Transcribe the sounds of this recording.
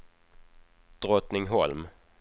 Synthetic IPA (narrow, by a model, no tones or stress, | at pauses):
d̪̥ɾɔt̪nɪŋɦɔlm